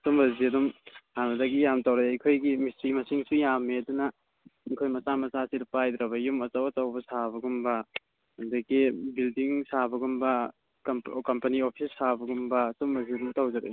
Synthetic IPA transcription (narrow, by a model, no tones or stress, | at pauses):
sumbɐziɐdumhanɐdɐɡijamtawɾeɐjkʰojɡimisɾimɐsiŋsujamːeɐdunɐ | ɐjkʰojmɐsamɐsasiɾpajd̪ɾɐbɐjumɐt͡ʃawɐtawbɐsaβɐɡumbɐ | ɐndɐkibildiŋsabɐɡumbɐ | kɐmpɐniopʰisːabɐɡumbɐsumbɐziɐdumtawd͡ʒɐɾḛ